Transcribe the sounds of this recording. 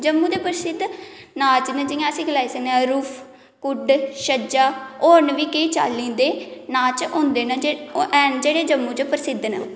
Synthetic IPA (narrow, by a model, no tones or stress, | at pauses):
d͡ʒəmːuːd̪eːpəɾsɪd̪nãːt͡ʃnəd͡ʒɪjãːəsĩːɡəlaːiːsəkneãɾuːpʰ | kʊɖʃəd͡ʒaːoːɳʋiːkeiːt͡ʃa̰ːlːĩːd̪eːnãːt͡ʃõːnd̪eːnəɛːnd͡ʒeːɽeːd͡ʒəmːũːt͡ʃəpəɾsɪd̪nə̰